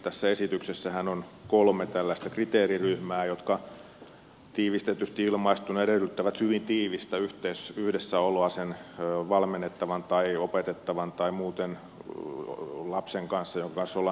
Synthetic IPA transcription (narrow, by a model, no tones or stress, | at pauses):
t̪æsːæesit̪yksesːæhænonkolmet̪ælːæist̪ækrit̪eːriryhmæːjot̪kɑ | t̪iːʋist̪et̪yst̪iilmɑist̪unɑeɾelyt̪ːæʋæt̪hyʋint̪iːʋist̪æyht̪eːsyhdesːæoloɑsenːʋɑlmenːet̪ːɑʋɑnt̪ɑiopet̪et̪ːɑʋɑnt̪ɑimuːt̪en | lɑpseŋkɑnsːɑjoŋkɑkɑnsːolːɑ